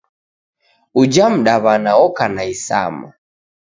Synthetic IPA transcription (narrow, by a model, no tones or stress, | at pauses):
ud͡ʒam̩ɗaβanaɔkanaisa̰ma